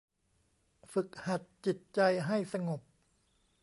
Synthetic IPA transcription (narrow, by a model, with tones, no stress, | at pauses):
fɯ˨˩k̚ha˨˩t̪̚t͡ɕi˨˩t̪̚t͡ɕa˧jɦa˥˩jsa˧ŋo˨˩p̚